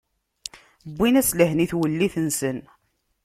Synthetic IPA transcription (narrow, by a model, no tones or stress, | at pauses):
bːinæsləɦniθwəlːiθənsən